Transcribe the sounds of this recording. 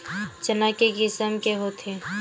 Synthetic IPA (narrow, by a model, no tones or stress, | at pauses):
t͡ʃənakekɪsəmkeɦot̪ʰe